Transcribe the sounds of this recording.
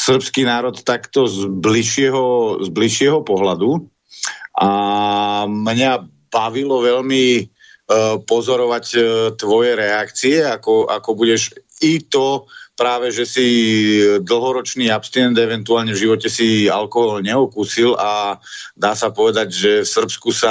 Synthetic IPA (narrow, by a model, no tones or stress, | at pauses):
sr̩pskiːnaːɾɔt̪ːakt̪ɔzbliʃɪɛɦɔzbliʃɪɛɦɔpɔɦlad̪u | ʔa | mɲa | baʋilɔʋɛʎmi | pɔzɔɾɔʋact̪ʋɔjɛɾɛakt͡siɛakɔʔa̰kɔbuɟɛʒit̪ɔpɾaːʋɛʒɛsi | d̪l̩ɦɔɾɔt͡ʃniːapst̪inɛnd̪ɛʋɛnt̪uaːlɲɛvʒiʋɔcɛsia̰lkɔɦɔlɲɛɔkuːsilad̪aːsapɔʋɛd̪aɟʒɛfsr̩pskusa